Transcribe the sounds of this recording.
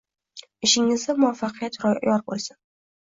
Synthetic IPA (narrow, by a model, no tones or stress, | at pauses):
ɪʃɪŋɪzd̪amʊafːɑqʰɨjat̪ɾɒjɒɾbolˠsɪn